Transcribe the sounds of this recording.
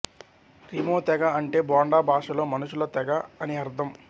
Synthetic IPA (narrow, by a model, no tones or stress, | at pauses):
ɾimoːt̪ɛɡɐɐɳʈe̞ːbaːɳɖaːbʱaːʂɐlo̞ːmɐnuʂulɐt̪ɛɡɐɐniɐɾd̪ʱɐm